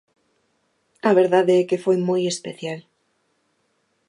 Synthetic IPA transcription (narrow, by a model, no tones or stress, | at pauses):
aβeɾðaðɛkefojmojespeθjal